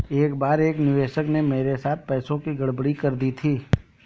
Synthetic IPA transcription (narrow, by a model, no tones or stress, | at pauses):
eːkbaːɾeːknɪʋeːʃəknemeːɾesaːt̪̚ʰpɛːsõkiɡɐɽbəɽikɐɾd̪it̪ʰiː